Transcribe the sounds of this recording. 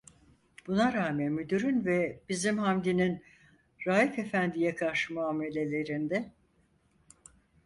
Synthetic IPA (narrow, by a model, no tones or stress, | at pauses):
b̥unaɾaːmɛnmyd̪yɾynvɛb̥izimhamd̪inin | ɾaːjike̞fænd̪ijɛkʰaɾʃɯmuaːme̞lʲe̞lʲe̞ɾind̪ɛ